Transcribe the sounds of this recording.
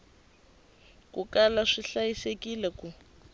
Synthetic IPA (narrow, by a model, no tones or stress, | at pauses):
kukalaʂiɬajisekilɛku